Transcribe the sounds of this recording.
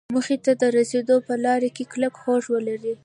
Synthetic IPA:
məxet̪ad̪əɾased̪opəlɑɾakekləkxoʒwəlaɾi

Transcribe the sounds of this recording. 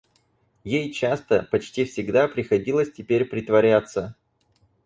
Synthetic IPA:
jejt͡ɕast̪əpɐt͡ɕtʲifsʲɪɡd̪apɾʲɪxɐdʲilˠəsʲtʲɪpʲeɾʲpɾʲɪt̪vɐɾʲat̪sːə

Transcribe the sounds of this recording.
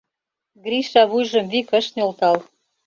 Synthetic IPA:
ɡɾiʃɑβujʒə̆mβikə̆ʃnʲolt̪ɑl

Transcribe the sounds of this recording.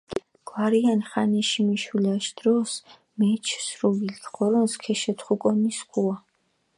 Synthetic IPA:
ɡ̥waɾianχanɛʃimiʃilaʃd̪̥ɾɔs | mɛt͡ʃʰsɾuvilkʰχɔɾɔnskʰɛʃɛt̪ʰχukʼɔniskʰua

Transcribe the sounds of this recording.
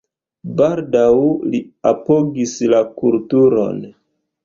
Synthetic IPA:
baldawliapoɡislakultuɾo̞̰n

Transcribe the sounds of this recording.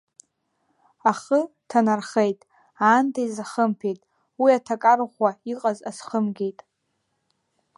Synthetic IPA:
aχə | tʰanarχejtʼ | aːntʰajzaχəmpʰejtʼ | wiatʰakʼarʁʷaiqʼazasχəmɡʲe̞jtʼ

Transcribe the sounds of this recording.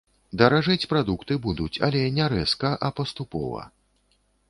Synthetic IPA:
d̪ɐɾaʐɨt͡sʲpɾad̪ukt̪ɨbud̪ut͡sʲɐ̰lʲɛnʲɛɾɛskɐʔɐpɐst̪upɔ̰vɐ̰

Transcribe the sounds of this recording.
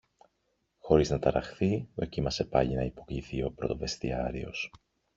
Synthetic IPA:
xo̞ɾiznɐt̪ɐɾɐxθio̞cimɐse̞pɐʎinɐipo̞kʎiθio̞pɾo̞t̪o̞ve̞st̪iɐɾio̞s

